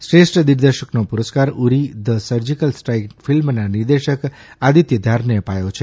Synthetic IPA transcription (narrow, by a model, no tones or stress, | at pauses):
sɾesʈd̪iɾd̪əɾʃəknopuɾəskaɾuɾid̪əsəɾd͡ʒikəlsʈɾajkfilmnaniɾd̪eʃək | ad̪ʱit̪jəd̪ʱaɾneəpajot͡ʃʰe